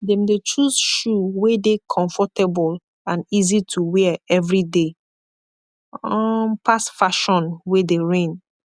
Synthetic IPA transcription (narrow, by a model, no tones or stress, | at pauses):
dɛ̃mdet͡ʃuzʃuwedekʰɔ̃ɱfɔtɛbɔl | ãnizitʰuwɛɛvɹide | ɔpʰasfaʃɔ̃nwedeɹẽn